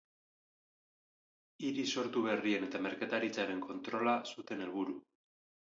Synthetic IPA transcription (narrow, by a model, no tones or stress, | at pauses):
iɾiso̞ɾt̪uβe̞rie̞ne̞t̪ame̞ɾkat̪aɾit͡saɾe̞ŋko̞nt̪ɾo̞lasut̪e̞ne̞lβuɾu